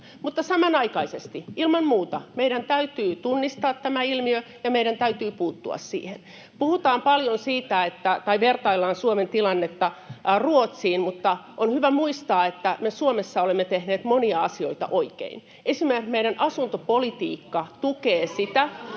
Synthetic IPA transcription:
mut̪ːɑsɑmɑnɑikɑisest̪iilmɑmmuːt̪ɑmeiɾænt̪æyt̪yːt̪unːist̪ɑːt̪tæmæilmiø | jɑmeiɾænt̪æyt̪yːpuːt̪ːṵɑ̰ssḭːhen | puhut̪ɑːmpɑljonsiːt̪æet̪ːæt̪ɑiʋert̪ɑilːɑːnsuoment̪ilɑnːet̪ːɑruot̪siːnmut̪ːɑʔonhyʋæmuist̪ɑːet̪ːæmesuomesːɑolemːet̪ehneːt̪moniɑɑsioit̪ɑ̰ʔoikḛin | ʔesimerkkmeiɾænʔɑsunt̪opolit̪ḭːkːɑt̪ukeːsit̪æ

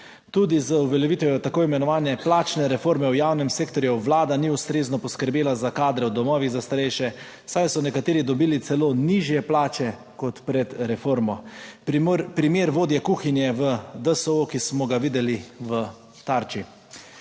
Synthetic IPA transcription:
t̪uːd̪izəuʋɛljɛʋit̪ʋɛjɔt̪akoːimɛnɔʋaːnɛplaːt͡ʃnɛɾɛfoːɾmɛwjaːwnɛmseːkt̪ɔɾjuʋlaːd̪aniust̪ɾeːznɔpɔskəɾbjeːlazakaːd̪ɾɛwd̪ɔmɔːʋiɣzast̪aɾɛjʃɛ | sajsɔnɛkat̪eːɾid̪ɔbiːlit̪sɛloːniʒjɛplaːt͡ʃɛ | kɔt̪pɾɛd̪ɾɛfoːɾmɔ | pɾimeːɾʋoːd̪jɛkuːxinjɛʋəd̪əsəokismɔɡaʋiːd̪ɛliʋə | t̪aɾt͡ʃi

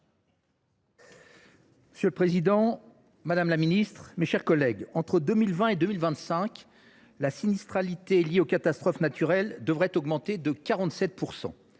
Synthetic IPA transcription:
məsjøləpχezid̪ɑ̃ | mad̪amlaminist̪χmeʃɛʁkɔlɛɡɑ̃t̪χəd̪ømilvɛ̃ed̪ømilvɛ̃t̪sɛ̃k | lasinist̪χalit̪eljeokat̪ast̪χɔfnat̪ʰyʁɛld̪əvʁɛt̪ɔɡmɑ̃t̪ed̪əkaʁɑ̃t̪sɛt̪̚pʰuʁsɑ̰̃

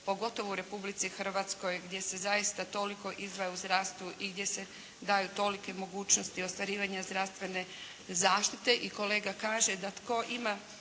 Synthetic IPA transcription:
po̞ɡo̞t̪o̞ʋouɾe̞publit̪sixr̩ʋat̪sko̞jɡd̪je̞se̞zaist̪at̪o̞liko̞ʔizd̪ʋajeuzd̪ɾast̪ʋuʔiɡd̪je̞se̞ | d̪aːjut̪o̞like̞mo̞ɡuːt͡ɕnost̪io̞st̪ʋaɾiːʋaɲazd̪ɾast̪ʋe̞ne̞ | zaːʃt̪it̪e̞ʔiko̞le̞ːɡakaːʒe̞d̪at̪ko̞ʔima

